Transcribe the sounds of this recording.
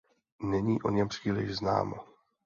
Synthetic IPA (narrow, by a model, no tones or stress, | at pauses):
nɛɲiːʔo̞ɲɛmpr̝̥iːlɪʒzna̰ːmo̰